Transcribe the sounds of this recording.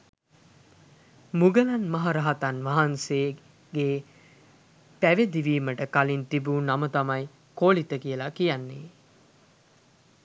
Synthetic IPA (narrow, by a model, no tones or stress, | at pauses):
muɡəlanmaɦaɾaɦat̪anʋaɦanse | ɡeː | pæʋed̪iʋiːməʈəkalint̪ibuːnamət̪amaj | koːlit̪əkijəlakijanːe